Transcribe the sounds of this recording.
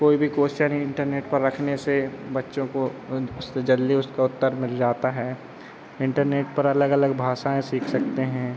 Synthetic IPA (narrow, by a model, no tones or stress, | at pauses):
koːibʱikoːʃaniɪ̃ɳʈəɾneːʈpɐɾːɐkʰnesebɐtːʃõkoʊsed͡ʒɐlːiʊskaʊt̪ːəɾmɪld͡ʒaːt̪aɦɛː | ɪ̃ɳʈəɾneːʈpɐɾɐləɡɐləɡbʱaːʃaːẽsiːkʰsɐk̚t̪eɦɛ̃ː